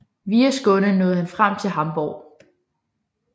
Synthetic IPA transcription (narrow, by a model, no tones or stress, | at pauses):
ʋiːɐsɡ̥ɔ̽nənɔːð̩ˠhænfʁam̰t͡sʰe̝lɦɑ̈mb̥ɒ̰ː